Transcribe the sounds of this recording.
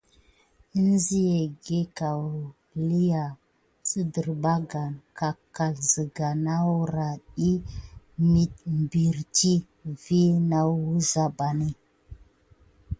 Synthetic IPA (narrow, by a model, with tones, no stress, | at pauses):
i˦n˦zi˦je˨ɡe˦ka˨w | li˦ja˨ | t͡si˦də˨ɾba˦ɡa˨nka˨ka˨lzə˨ɡa˨na˦wu˦ɾa˨ɗi˦ | mi˦t̚m˨bi˨ɾti˦ | vi˦na˦wwu˦za˨ba˨ni˦